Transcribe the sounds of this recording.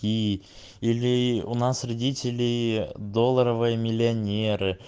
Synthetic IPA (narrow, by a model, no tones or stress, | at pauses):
i | ilʲɪunasrʲɪdʲitʲɪlʲɪjd̪o̞lˠːəɾəvɨjəmʲɪlʲɪɐnʲeɾɨ